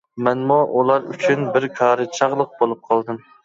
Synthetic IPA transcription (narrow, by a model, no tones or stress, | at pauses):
mɛnmuʔulˠɑɾy̰t͡ʃʰynbɪɾkʰɑːɾɨt͡ʃʰɑʁlˠəq̚bolˠup̚qʰɑlˠd̪ɨm